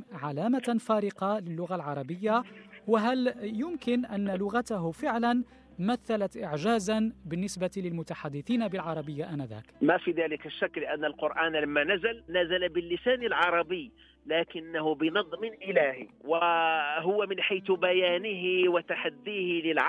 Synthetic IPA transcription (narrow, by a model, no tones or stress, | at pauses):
ʕalaːmafaːɾɪqɑlɪlːʊɣalʕɑɾˤɑbəjːawaɦæljʊmkɪnʔænːlʊɣat̪aɦʊfɪʕlan | maθːalat̪ʔɪʕʒaːzanbɪnːɪsbat̪ilɪlmʊt̪aħad̪ːɪθiːnabɪlʕɑɾˤɑbəjːaʔanad̪æ̰ːkmafid̪aːlɪkaʃːakːlɪʔanːalqʊɾʔaːnlamːanazalnæzalabɪlːɪsaːnəlʕɑɾˤɑbəj | laːkɪnːahʊbɪnɨd̪ˤmɪnʔɪlaːhiwaɦʊwamɪnħajt̪bæjaːnɪɦɪwat̪aħad̪ːiːhɪlɪlʕ